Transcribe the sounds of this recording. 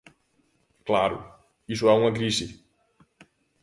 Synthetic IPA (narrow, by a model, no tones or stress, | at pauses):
klaɾʊ̰ | isuɛuŋɐkɾisi